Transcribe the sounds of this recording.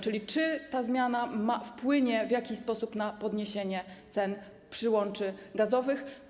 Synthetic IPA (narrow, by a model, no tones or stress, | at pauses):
t͡ʂɘlʲit͡ʂɘt̪azmʲjanamafpwɘɲɛvjakʲispɔsupnapɔd̪ɲeɕeɲɛt̪sɛn | pʂɘwɔnt͡ʂɘɡazɔvɘx